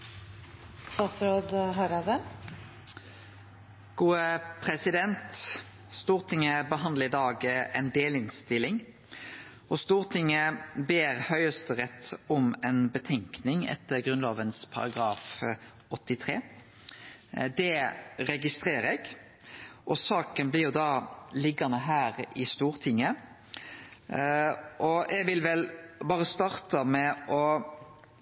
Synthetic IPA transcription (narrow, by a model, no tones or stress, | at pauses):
t̪ɑsɾoːd̪ɦɑɾɑd̪ɛ | ɡ̥uːəpʰɾɛsɪd̪ɛnt̪ | st̪uːʁt̪ʰɪŋːəbəɦɑnd̪ləɪd̪ɑːɡʔɛnd̪eːlɪnst̪ɪlɪŋ | ɔst̪uːʁt̪ʰɪŋːəbeːʁhœʏəst̪əʁɛt̪ːɔmɛnbət̪ʰɛŋknɪŋɛ̰t̪ːəʁɡʁʉnloːʋənspʰɑ̰ɾɑɡʁɑːf | ɔt̪ːɪt̪ʰʁeː | d̪ɛʁɛɡɪst̪ʁeːʁɛɡ | ʔɔsɑːkənblɪɾjʊd̪ɑlɪɡɑnəɦæːʁɪst̪uːɾt̪ʰɪŋːə | ʔɔʔɛɡʋɪlʋɛlbɑːʁəst̪ɑːʁt̪əmɛʔɔ